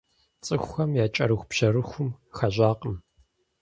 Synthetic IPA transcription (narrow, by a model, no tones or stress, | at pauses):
t͡sʼɨxʷːɐmjaːt͡ʃʼɐɾɨxʷpɕɐɾɨxʷʊmxɐʑʷaːqʼəm